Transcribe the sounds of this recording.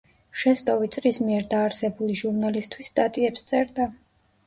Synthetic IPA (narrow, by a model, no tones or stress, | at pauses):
ʃɛst̪ʼɔvit̪sʼɾismiɛɾd̪aːɾsɛbuliʒuɾnalist̪ʰwisd̪ʼat̪ʼiɛpst̪sʼɛɾd̪a